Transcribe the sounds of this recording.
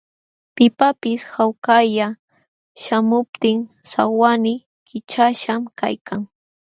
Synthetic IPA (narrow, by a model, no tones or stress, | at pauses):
pɪpapɪshawkaja | ʃamʊp̚t̪ɪŋ | sa̰wanɪ | kɪt͡ʃaʃamkajkʰaŋ